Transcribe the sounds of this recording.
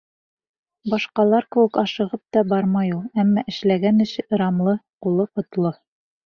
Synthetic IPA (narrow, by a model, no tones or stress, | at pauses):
bɑʃqɑlˠɑɾkɘ̆wɘkɑʃɤ̆ʁɤp̚t̪ɒbɑɾmɑjulˠæmːɑʔɘ̆ʃlæɡænɘ̆ʃɘɤ̆ɾɑmlˠɤqulˠɤqŏt̪lˠɤ